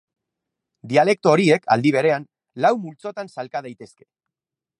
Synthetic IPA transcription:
d̪iale̞k̚t̪o̞ːɾie̞kʰa̰ld̪iβ̞e̞ɾe̞an | lawmult͡so̞t̪ansalkað̞ajt̪e̞ske̞̥

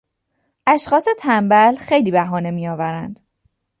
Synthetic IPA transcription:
ʔæʃxɒːse̞t̪ʰæmbælxejliːbæɦɒːne̞miːjɒːvæɾænd̪̥

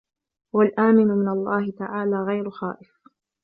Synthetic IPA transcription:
walʔaːmɪnʊmɪnalˤːɑːhɪt̪aʕaːlaːɣajɾʊxa̰ːʔɪf

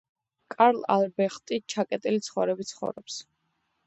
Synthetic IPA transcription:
kʼaɾlˠa̰lbɛχt̪ʼit͡ʃʰakʼɛt̪ʼilit̪sʰχɔvɾɛbit̪sʰχɔ̰vɾɔps

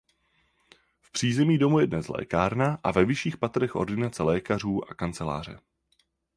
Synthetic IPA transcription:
fpr̝̥iːzɛmiːdo̞mujɛdnɛslɛ̰ːkaːɾnaʔa̰vɛvɪʃiːxpat̪ɾɛxʔo̞̰ɾdɪnat͡sɛlɛːkar̝uːʔakant͡sɛla̰ːr̝ɛ̰

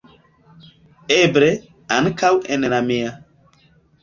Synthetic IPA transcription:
ebɾe | ankawenenamea

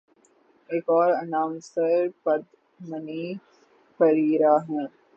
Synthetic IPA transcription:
eːkɔːɾɐnãːmsəɾpɐd̪ | mɐniː | fɐɾiːɾaːɦɛ̃ː

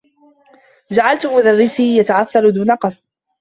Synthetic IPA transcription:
d͡ʒaʕalt̪ʊmʊðarːɪsiːjat̪aʕaθːald̪uːnaqɑsˤd̪

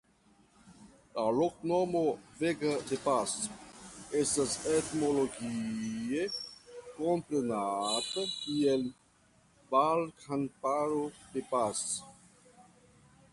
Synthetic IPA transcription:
lalok̚nomoveɡad̪epas | estaset̪moloɡiekompɾenat̪akiel | valkʰanpaɾod̪epas

